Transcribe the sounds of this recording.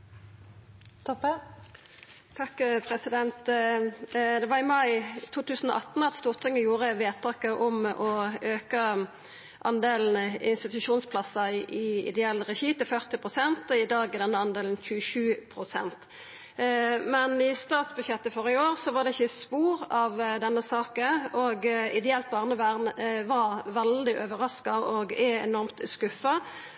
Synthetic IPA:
t̪ʰɔp | t̪ʰɑkːpʰʁɛsɪd̪ɛnt̪ | d̪ɛʋɑːʁɪmɑɪt̪ʰuːt̪ʉːsən̩ɔ̰ʔɑt̪n̩ɑt̪st̪uːʁt̪ʰɪŋəjuːʁəʋeːt̪ʰɑːkəʔɔmʔɔøːkə | ʔɑnd̪eːln̩ɪ̰nst̪ɪt̪ʉʃuːnspʰlɑsəɪʔɪɪ̰d̪ɛɛlːɾɛçiːt̪ɪfœʁt̪ɪpʁʊsɛnt̪ɔɪd̪ɑːɡɛd̪ɛnːəɑnd̪eːln̩çʉəʃʉːpʰɾʊsɛ̰nt̪ | mɛnɪst̪ɑːt̪sbʉd̪ʃjɛt̪ːəfɔʁɪəoːʁsɔʋɑʁd̪ɛɪçːəspuːɾɑʋd̪ɛnːəsɑːkəɔɡɪd̪ɛɛlt̪̚bɑːʁnəʋæʁnʋɑɾʋɛld̪ɪʔøʋəɾɑskɑɔɡɛɛ̰nɔʁmt̪skʉfɑ

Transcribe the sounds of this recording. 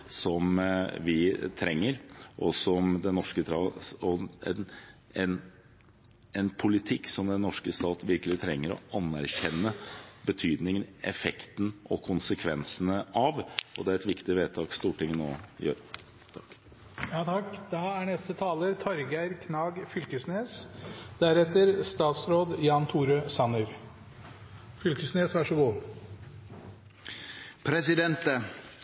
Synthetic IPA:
sɔmʋɪt̪ʰɾɛŋːəɾʔɔsɔmd̪ɛnɔʂkət̪ʰɾɑɔɛn | ɛn | ɛnpʰʊlɪt̪ʰɪkːsɔmd̪ɛnːɔʂkəst̪ɑːt̪ʋɪɾkəlɪt̪ʰɾɛŋːəɾɔ̰ɑnːæɾçɛnːəbət̪ʰyːd̪nɪŋnɛfɛkt̪n̩ʔɔkʰʊnsəkʰʋɛnsənəɑʋʔɔd̪ɛæɾɛt̪ʋɪkt̪ɪʋeːd̪̚t̪ʰɑːɡst̪uːʈʰɪŋːənɔ̰jø̰ːɾ | t̪ʰɑk | jɑt̪ʰɑkːd̪̥ɑæɳɛst̪ət̪ʰɑːləɾt̪ʰɑɾɡæɪɾkʰnɑːɡfʏlkəsneːsd̪̥æɾɛt̪əɾst̪ɑːt̪sɾoːd̪jɑːnt̪ʰuːɾøːsɑnəɾ | fʏlkəsneːsʋæʂɔɡuː | pʰɾɛsɪd̪ɛnt̪

